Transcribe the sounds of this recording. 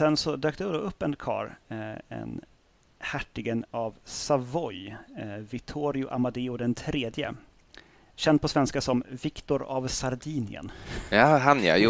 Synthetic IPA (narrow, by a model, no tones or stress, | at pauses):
sɛnsɔd̪øːk̚t̪əd̪ɔɵpːɛnkʰɑ̰ːɾɛ̰n | hæʈːɪɡənavsavɔjvɪkt̪ʰuːɾɪʊʔamad̪eːʊd̪ɛnt̪ʰɾeːd̪jə̰ | ɕɛnd̪̚pʰɔsvɛnskasɔmvɪkt̪ɔɾa̰vsaɾd̪iːnɪ̰ə̰njaɦanja̰j